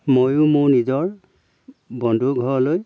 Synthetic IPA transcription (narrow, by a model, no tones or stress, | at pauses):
mojʊmʊɹnizɔɹ | bɔndʱuɡʱɔɹɔloj